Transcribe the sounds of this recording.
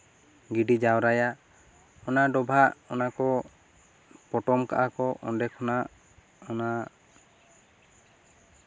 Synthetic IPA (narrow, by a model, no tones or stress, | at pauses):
ɡiɖid͡ʒawɾaja | ɔnaɖɔbʱaʔɔnakɔ | pɔʈɔmka̰ʔakɔʔɔ̰nɖɛkʰɔnaʔ | ɔna